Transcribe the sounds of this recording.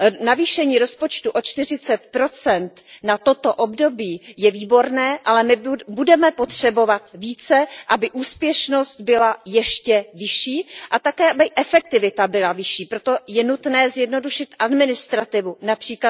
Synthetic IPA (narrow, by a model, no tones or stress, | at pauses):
naviːʃɛɲiːɾo̞spot͡ʃt̪uʔo̞t͡ʃt̪ɪr̝ɪt͡sɛt̪pɾo̞t͡sɛnt̪nat̪o̞t̪o̞ʔobdo̞biːjɛviːbo̞ɾnɛːʔalɛmɪbudɛmɛpo̞t̪r̥ɛbo̞vat̪viːt͡sɛʔabɪʔuːspjɛʃno̞st̪̚bɪlajɛʃcɛvɪʃiːʔat̪akɛːʔabɪʔɛfɛk̚t̪ɪvɪt̪abɪlavɪʃiːpɾot̪o̞jɛnut̪nɛːzjɛdno̞duʃɪt̪ʔadmɪnɪst̪ɾat̪ɪvunapr̥iːkla